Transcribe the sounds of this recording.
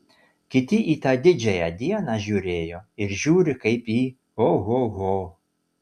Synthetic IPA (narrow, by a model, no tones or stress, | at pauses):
kʲɪt̪ʲɪʔiːt̪ɑːd̪ʲɪd͡ʒʲɛjɛd̪ʲiɛnɑʒʲuːɾʲeːjoːɪɾʒʲuːɾʲɪkɐɪpiː | oɣoɣo